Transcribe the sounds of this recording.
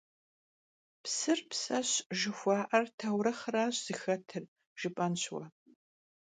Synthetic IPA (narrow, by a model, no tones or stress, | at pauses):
psɨrpsɐɕʒɪxʷɑːʔɐrtʰɐwɾɐχɐɾaːɕz̥ɨxɐtʰɨr | ʒ̥ɪpʼɐnɕʰwɐ